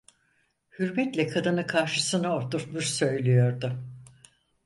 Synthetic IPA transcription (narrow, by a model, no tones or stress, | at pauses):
hyɾmɛt̪lʲɛkʰad̪ɯnɯkʰaɾʃɯsɯnaoɾt̪uɾt̪muʃsø̞jlʲijo̞ɾd̪ʊ